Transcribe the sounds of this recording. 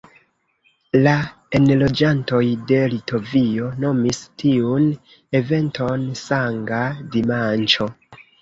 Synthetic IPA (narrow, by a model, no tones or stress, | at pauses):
la | enlo̞d͡ʒanto̞jde̞lito̞vio̞no̞mistiun | e̞ve̞ntʰo̞nsaŋɡadimant͡ʃo̞